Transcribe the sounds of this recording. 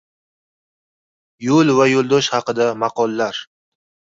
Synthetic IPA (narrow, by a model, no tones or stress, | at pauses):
jolˠvajolˠd̪ɒʃhɑqɨd̪amɑqɒlːaɾ